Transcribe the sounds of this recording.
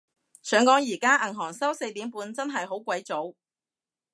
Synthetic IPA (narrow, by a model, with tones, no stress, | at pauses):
sœː˨˥ŋkɔː˨˥ŋjiː˨˩kaː˥ʔɐ˨˩ŋɦɔː˨˩ŋsɐ˥wse˧jt̪iː˨˥mpuː˨˧nt͡sɐ˥nɦɐ˨jɦo˨˥wkʷɐ˨˥jt͡so˨˥w